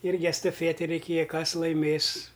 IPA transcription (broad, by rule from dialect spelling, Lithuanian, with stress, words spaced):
ˈɪrʲɡʲɪ ɛstɐˈfʲiɛtʲɪ rʲɛɪˈkʲeːjɛ ˈkɐs lˠɐɪˈmʲeːs